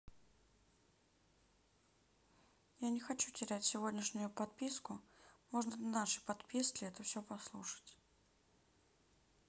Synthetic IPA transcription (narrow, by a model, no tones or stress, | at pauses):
janʲɪxɐt͡ɕutʲɪɾʲætʲsʲɪvo̞dʲnʲɪʂnʲʊjʊpɐt̪̚pʲiskʊmo̞ʐnənnaʂɨjpɐt̪pʲiskʲlʲɪɛt̪əfsʲɪopɐslˠuʂə̥tʲ